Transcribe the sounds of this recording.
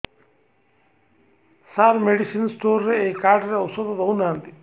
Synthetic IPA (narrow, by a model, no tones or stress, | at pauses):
saːɾmeɖisinsʈoːɾːeeːkːaːɖɾeosod̪od̪ounaːnd̪i